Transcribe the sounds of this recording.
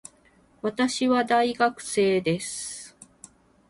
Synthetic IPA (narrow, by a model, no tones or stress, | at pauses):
βat̪aɕiβad̪aiɡakɯ̟̥se̞ːd̪e̞sɨ̥